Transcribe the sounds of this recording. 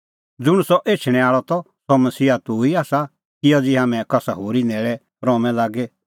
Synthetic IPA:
d͡zʊɽ̃usɔʔeːt͡ʃʰɽ̃ɛ̃aːɭɔt̪ɔ | sɔmɐsiːat̪uiaːsa | kɪjɔd͡zɪɦãːmɛ̃kɐsaɦoːɾinɛːɭɛ | ɾɔːmɛ̃laːɡe

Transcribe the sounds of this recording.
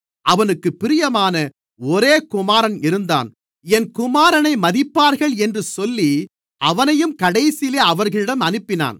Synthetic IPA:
ʔɐʋɐnɯkːɯpːɪɾɪjɐmaːnɐ | ɔɾeːkʊmaːɾɐnɪɾɯnd̪a̰ːn | ɛnkʊmaːɾɐnɐɪmɐðɪpːaːɾɣɐɭɛndrɯsɔlːi | ʔɐʋɐnɐjɯmkɐɽɐɪsɪleːɐʋɐɾɣɐɭɪɽɐmɐnɯpːɪna̰ːn

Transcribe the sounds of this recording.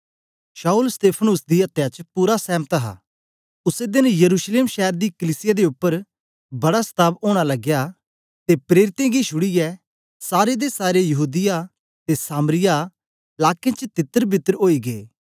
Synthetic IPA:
ʃaːʊlst̪eːpʰənʊsd̪iɐt̪jat͡ʃpuːɾasɛ̃ːmət̪əɦa̰ː | ʊsed̪ɪnjɐɾuːʃleːmʃɛːɾd̪ikəlɪsɪjad̪eʊpːəɾ | bɐɽast̪ʰaːboːɽ̃alɐɡja | t̪epɾeːɾɪt̪ẽɡiʃʰʊɽijɛ | saːɾed̪esaːɾejɐɦuːd̪ɪja | t̪esaːmɾɪja | laːkẽt͡ʃt̪ɪt̪ːəɾbʱɪt̪ːəɾɦoːiɡeː

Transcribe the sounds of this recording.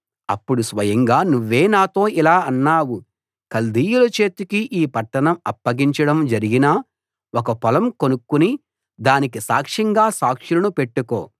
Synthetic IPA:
ɐpːuɽusʋɐjɐŋɡaːnuʋːe̞ːnaːt̪o̞ːilaːɐnːaːwu | kɐld̪iːjulɐt͡ʃe̞ːt̪ukiʔiːpɐʈːɐɳɐmɐpːɐɡiɲt͡ʃɐɽɐmd͡ʒɐɾiɡinaː | ɔkɐpɐlɐmkonukːuni | d̪aːnik̬isa̰ːkʂɐŋɡaːsaːkʂilɐnupe̞ʈːuko̞ː

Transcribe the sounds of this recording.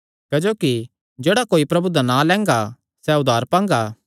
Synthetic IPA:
kɛd͡ʒoːki | d͡ʒeːɽakoːipɾɐbud̪anãlɛ̃ːŋɡa | sɛʊd̪ʱaːɾpãːŋ̆ɡaː

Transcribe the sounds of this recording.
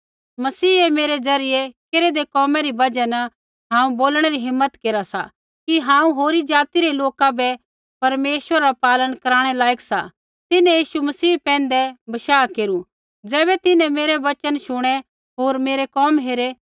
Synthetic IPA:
mɐsiːemeːɾed͡zɐɾɪjɛkeɾed̪ekɔːmɛɾibɐd͡ʒɛnɐ | ɦãːũboːlɽ̃ɛɾiɦɪmːət̪keːɾasa̰ | kiɦãːũɦoːɾid͡ʒaːt̪iɾeloːkabɛ | pɐɾmeːʃʋəɾaɾapaːlənkɐɾaːɽ̃ɛlaːɪksa̰ | t̪ɪnɛ̃jiːʃumɐsiːpɛ̃ːnd̪ɛbɐʃaːkeːɾu | d͡zɛːbɛt̪ɪnɛ̃meːɾeʋɐt͡ʃənʃʊɽ̃ɛ | ɦoːɾmeːɾekɔːmɦeːɾe

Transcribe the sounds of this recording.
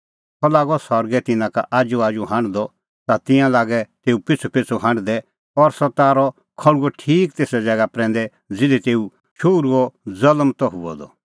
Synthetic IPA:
sɔlaːɡɔsɔɾɡɛt̪ɪnãka̰ʔaːd͡ʒuaːd͡ʒuɦãɳɖd̪ɔ | t̪at̪ɪ̃jãlaːɡɛt̪eːupɪt͡sʰupɪt͡sʰuɦãɳɖd̪ɛ | ɔɾsɔt̪aːɾɔ | kʰɐɽ̃uɔʈʰiːkt̪eːsɛd͡zɛɡapɾɛ̃ːn̆d̪ɛ | d͡zɪlɛt̪eːu | ʃʰoːɾuɔd͡zɐləmt̪ɔɦuɔ̰d̪ɔ̰

